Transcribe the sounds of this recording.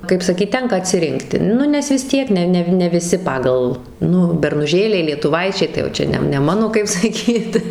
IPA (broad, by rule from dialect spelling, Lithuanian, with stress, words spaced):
kɐɪp ˈsɑːkʲiːt ˈtʲɛŋkɐ ɐtʲsʲɪˈrʲɪŋktʲɪ ˈnʊ nʲɛs ʋʲɪs ˈtʲiɛk ˈnʲɛ ˈnʲɛw nʲɛ ʋʲɪˈsʲɪ ˈpɑːɡɐlˠ ˈnʊ bʲɛrnʊˈʒʲeːlʲɛɪ lʲiɛtʊˈʋɐɪt͡ʃʲɛɪ tɐɪ jɛʊ ˈt͡ʃʲɛ nʲɛ nʲɛ ˈmɑːnoː kɐɪp sɐˈkʲiːt